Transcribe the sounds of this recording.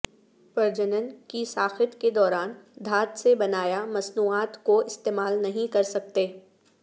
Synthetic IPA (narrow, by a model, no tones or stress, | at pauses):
pɐɾd͡ʒənənkisaːxɪt̪ked̪ɔːɾaːnd̪ʱaːt̪sebɐnaːjamɐsnuːaːt̪koɪst̪eːmaːlnɐɦĩkɐɾsɐk̚t̪eː